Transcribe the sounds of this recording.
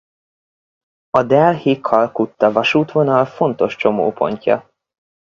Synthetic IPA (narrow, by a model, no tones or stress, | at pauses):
ɒd̪ɛlhikʰːɒlkut̪ːɒvɒʃuːt̪vo̞nɒlfo̞nt̪o̞ʃt͡ʃo̞mo̰ːpʰo̞̰ɲcɒ̰